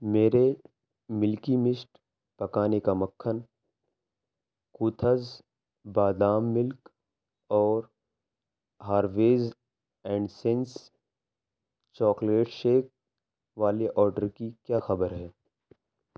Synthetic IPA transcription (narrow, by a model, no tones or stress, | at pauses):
meːɾe | mɪlkimɪsʈ | pɐkaːnekamɐkʰːən | kuːt̪ʰəz | baːd̪aːmːɪlk | ɔːɾ | ɦaːɾʋeːz | ɛ̃ːɳɖsẽns | t͡ʃɔːkleːʈʃeːk̚ | ʋaːleʔɔːɾɖəɾkikjaːxɐbəɾɦɛː